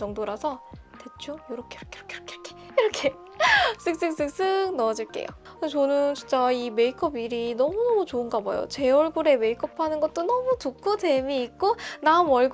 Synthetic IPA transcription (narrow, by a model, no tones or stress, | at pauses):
ʌŋdoɾasʰʌ | te̞t͡ɕ͈ojoɾʌkʰejiɾʌkʰejɾʌkʰeɾkʰeɾʌkʰe | iɾʌkʰe | s͈ɯk̚s͈ɯk̚s͈ɯk̚s͈ɯk̚nʌd͡ʑiɭk͈ḛjo̰ | t͡ɕʌnɯnt͡ɕint͡ɕ͈aime̞ikʰʌbiɾinʌmunʌmut͡ɕoɯnɡaba̰jo̰t͡ɕe̞ʌɭɡuɾe̞me̞ikʰʌpʰanɯnɡʌt̚t͈onʌmutukʰute̞miːk̚k͈onamʌɭɡ